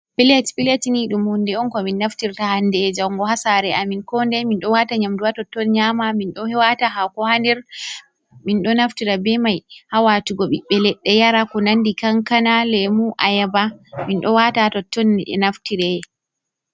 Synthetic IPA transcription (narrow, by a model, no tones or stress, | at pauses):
pilɛtpiletiniɗumhundɛɔnkɔminːaftiɾtahandɛd͡ʒawŋɡɔhasaɾɛʔaminkɔndɛminɗɔwataɲamduwatɔtːɔnɲamaminɗɔhɛwataɦakɔhandɛɾ | minɗɔnaftiɾabɛmajhawatuɡɔɓḭɓːɛlɛɗːɛjaɾakɔnandikaŋkanalɛmuʔajabaminɗɔwatatɔtːɔnɛ̰naftiɾɛ